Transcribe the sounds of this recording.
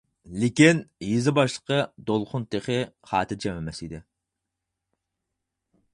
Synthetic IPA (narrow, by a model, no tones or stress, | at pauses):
lɪkʲinjizɪbɑʃlˠə̥qʰəd̪olˠχʊnt̪ʰeχɪχɑ̰ːt̪ʰɪd͡ʒɛmɛmɛsid̪ɪ